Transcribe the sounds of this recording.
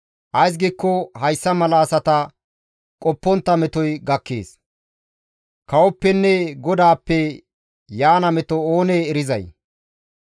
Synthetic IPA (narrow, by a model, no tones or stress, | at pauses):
ʔɐjs̬ɡiːkːɔhɐjsːɐmɐlaːsɐt̪ɐ | kʼɔpːɔnt̪ːɐmɛt̪ɔjɡɐkːḛːs | kɐwɔpːɛnːɛɡɔd̪aːpːɛ | jaːnɐmɛt̪ɔoːneːɾɪzɐ̰j